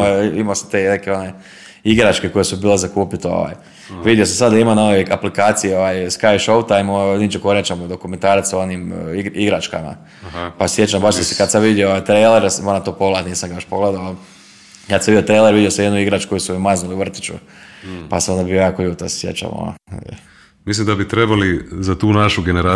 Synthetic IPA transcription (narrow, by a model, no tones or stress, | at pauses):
imasat̪enekeo̞ne | iɡɾat͡ʃkeko̞jesubiːlezakuːpit̪eo̰ʋa̰j | ʋid̪jos̬amsad̪d̪aimanoʋeaplikaːt̪sijeoʋaːjskajʃowt̪ajmonit͡ʃekoɾjat͡ʃamod̪okument̪aːɾat̪sao̞niːmiɡiɡɾat͡ʃka̰ma̰ | pasjet͡ʃambaʃd̪askad̪samʋid̪jooajt̪ɾejleɾsmoɾat̪oːpoɡlat̪niːsaŋɡajoʃpoɡled̪ao | kad̪samiot̪ɾejleɾʋid̪josamjed̪nuiɡɾat͡ʃu̥ko̞jisuimaznuliuʋr̩t̪i̥t͡ʃṵ | pasaond̪abijojaːkojuːt̪assjḛt͡ʃa̰mo̰no̰ | mislimd̪abit̪ɾebalizat̪uːnaʃuɡeneɾa